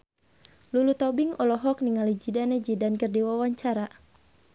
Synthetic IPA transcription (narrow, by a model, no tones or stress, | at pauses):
lulut̪ɔbiŋɔlɔɦɔk̚niŋalid͡ʒidanɛd͡ʒidankərdiwawaɲt͡ʃaɾa